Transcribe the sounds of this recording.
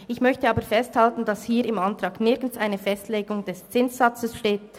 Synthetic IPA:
ɪçmœçtəɑːbəfɛsthaltn̩d̥ɑshiːɾɪmantʁɑːɡnɪɐɡn̩saɪnəfɛstleːɡʊŋd̥ɛst͡sɪnsz̥ɑt͡səsʃteːt

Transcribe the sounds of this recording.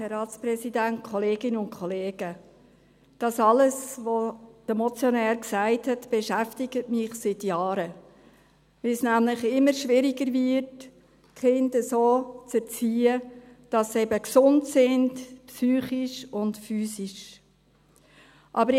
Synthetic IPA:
ɛrɑːtsprɛsidænt̚kʰχɔleːɡɪnəʊntkʰχɔleːɡ̥ə | d̥ɑsɑləsvod̥əmɔt͡sjɔnæːɾksæɪthɛtb̥ɛʃæftɪɡətmɪχsɪtjɑːɾə | vɪlsnæmlɪχɪmːəɾʃʋɪɾɪɡəɾvɪɾt | kχɪndəsoːt͡sɛɾt͡siːə | d̥ɑsɛbəksʊntsɪndpsyːχiʃʊntfyːsiʃ | ʔɑbəɾ

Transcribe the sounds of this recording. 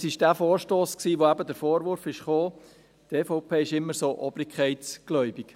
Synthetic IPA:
sɪʃd̥æːfoːɾʃtoːsksiːʋoæbədəɾfoːɾʋʊɾfɪʃχoː | t̪eːfɔʊpʰeːɪʃɪmːəɾsoːʔɔbɾɪkʰχɛɪtsɡ̥lœʏbɪk

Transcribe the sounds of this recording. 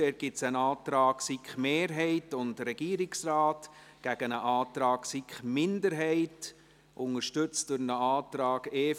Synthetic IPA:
ɛːɾ̚ɡ̥ɪtsənɑːt̪ɾɑːɡsikχmeːɾɦɛɪtʊntɾɛɡ̥iːɾɪksrɑːt | ɡ̥æɡ̥ənəʔɑːtɾɑːɡsikχmɪndəɾɦɛɪt | ʔʊŋəɾʃtʏt͡std̥ʊɾnəɑːtɾɑːɡeː

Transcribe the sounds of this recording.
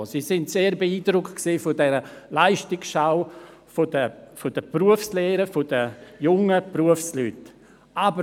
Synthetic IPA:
sisɪntseːɾbeiːdɾʊktksiːfʊdɛɾəlaɪʃtɪksʃaʊ | fodəfod̥əpruəfslɛːɾəfod̥əjʊŋəpruəfslyt | ʔabə

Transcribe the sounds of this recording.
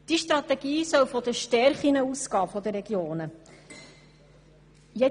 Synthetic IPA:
d̥iʃtɾɑt̪ɛɡ̥iːsœwfɔd̪əʃtɛɾχinəuskɑːfɔd̪əɾɛɡjoːnə | jɛ

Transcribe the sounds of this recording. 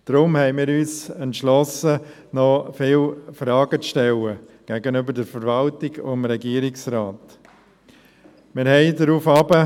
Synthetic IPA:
d̥ɾʊmhɛɪmɪːɾyːsɛntʃlɔsə | nɔfɪːlfɾɑːɡət͡sʃtɛlə | ɡ̥ɛɡənʏbəɾdəɾfəɾvɑltɪɡomɾɛɡiːɾɪksraːt | mɪːɾhɛɪdɾuːfɑbə

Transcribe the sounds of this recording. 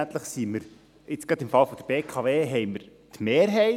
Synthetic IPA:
nt̪ləχsiməɾ | ɪt͡sɡ̥ɾɑd̪ɪmfɑlfɔd̥̪əɾb̥eːkʰɑʋeːɦɛɪməɾt̪meːɾɦɛɪ

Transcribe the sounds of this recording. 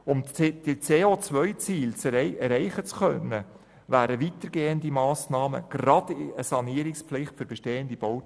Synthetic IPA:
ʊmd̥it͡seːot͡sʋœʏt͡siːlt͡sɛɾɛɪχət͡skœnːə | væːɾəʋit̪əɾɡeːənd̪imɑːsnɑːmə̰ɡ̥ɾɑd̥ɪəsɑniəɾɪkspflɪχtfʏɾbɛʃteːənd̪ib̥ow

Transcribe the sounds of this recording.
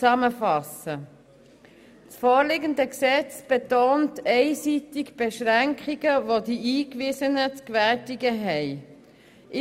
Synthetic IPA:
ɑməfɑsə | t͡sfoːlɪɡəndəksɛt͡sb̥etoːntɛɪsiːtɪkb̥eʃʁæŋkʰχiɡəvodiʔiːkvɪːsənət͡skvætɪɡəɦɛɪ | ʔɪ

